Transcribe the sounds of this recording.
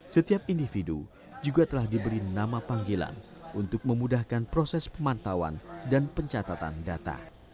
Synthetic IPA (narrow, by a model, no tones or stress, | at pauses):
sət̪iap̚indifidu | d͡ʒuɡat̪əlahdibəɾinamapaŋɡila̰n | ʔunt̪ʊk̚məmudahkanpɾosɛspəmant̪awa̰ndanpəɲt͡ʃat̪at̪a̰ndat̪a̰